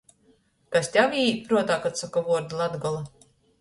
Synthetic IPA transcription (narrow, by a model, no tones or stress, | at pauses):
k̪asʲt̪ʲavʲiːpɾuɔt̪aːkat̪sakavuɔɾd̪lˠad̪ɡɔlˠa